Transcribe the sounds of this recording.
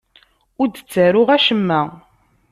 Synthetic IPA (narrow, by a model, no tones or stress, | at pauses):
ʊɾd̪ət͡sːæɾʊʁæʃəmːæ